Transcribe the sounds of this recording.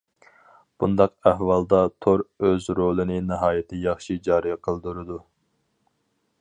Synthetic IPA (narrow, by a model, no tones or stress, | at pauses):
b̥und̪ɑqæhwɑlˠd̪ɑt̪ʰoɾøzɾolˠɨnɪnɨɦɑːjɪt̪ʰɪjɑχʃid͡ʒɑːɾijqʰəlˠd̪uɾɨd̪u